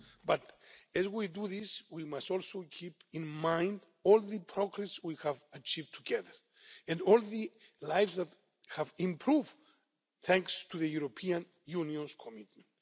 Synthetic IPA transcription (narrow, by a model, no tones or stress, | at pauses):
bat̪ɛzwiduðiswimastɔlˠsokʰipĩnmãj̃nd | ɔlðəpʰɹoɡɾɛswihævat͡ʃivtʰuɡɛðə˞ | ɛ̃nɔlˠðɨlajvsðæt̪ | hævĩmpʰɹuv | θɛ̃ŋkst̪ʰuðəjuɾopʰiãn | juniõnskʰomit̪mɛ̃nt